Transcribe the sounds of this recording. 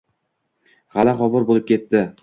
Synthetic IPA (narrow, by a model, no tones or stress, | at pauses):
ʁalaχɒvɒɾbolɪp̚kʲʰe̞t̪ːɪ